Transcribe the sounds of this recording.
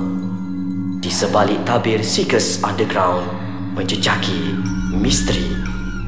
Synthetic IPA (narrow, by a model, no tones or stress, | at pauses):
d̥isəbaliʔt̪abɪrsikəsãndəɡɾãwn | mə̃ɲd͡ʒəd͡ʒaki | mist̪əɾḭ